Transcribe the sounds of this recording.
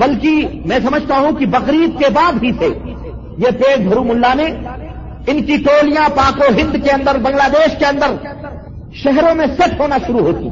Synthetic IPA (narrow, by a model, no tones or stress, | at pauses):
bɐlkimɛ̃ːsɐməd͡ʒʱt̪aɦũkibɐɣɾiːd̪̚kebaːd̪ɦisʰe | jepeːʈ̚bʱɐɾumʊlːanẽ | ɪnkiʈoːlijãpaːkoɦɪ̃nd̪keɐ̃nd̪əɾbɐ̃ŋɡlaːd̪eːʃkeɐ̃nd̪əɾ | ʃɛɦɾõmẽsɛʈʰɦoːnaʃʊɾuɦoːt̪ḭ